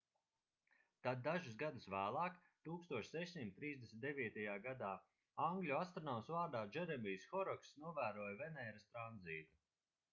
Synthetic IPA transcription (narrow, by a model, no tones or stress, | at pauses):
t̪ad̪̚ːaʒus̬ɡad̪usvæːlˠɑːk | t̪uːkst̪uɔʃsɛʃsimt̪ːɾiːzd̪esm̩ʲt̪d̪evʲiːt̪ajaːɡad̪aː | aŋɡlʲuast̪ɾɔnɔmsvaːɾd̪aːd͡ʒɛɾɛbijsxɔɾɔksnuɔvæːɾuɔjvɛnɛjɾast̪ɾanziːt̪u